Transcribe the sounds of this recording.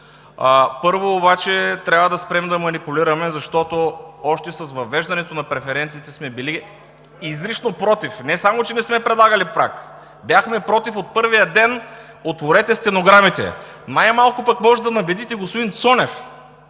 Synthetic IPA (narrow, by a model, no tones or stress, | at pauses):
əpɤɾvoːbat͡ʃɛt̪ɾʲabvəd̪ɐspɾɛmd̪ɐmɐnipʊliɾɐmɛzɐʃt̪ɔt̪oɔʃt̪ɛsɐsvɐvɛʒd̪ɐnɛt̪onɐpɾɛfɛɾɛnt̪siːt̪ɛsmɛbili | izɾit͡ʃnopɾɔt̪ifnɛsamot͡ʃɛnɛsmɛpɾɛd̪lˠaɡɐlipɾak | bjaxmɛpɾɔt̪ifot̪̚pɤɾvijəd̪ɛn | ot̪voɾɛt̪ɛst̪ɛnoɡɾamit̪ɛ̰ | najmalˠkʊpɐkmɔʒɛd̪ɐnɐbɛd̪it̪ɛɡospod̪int̪sɔnɛf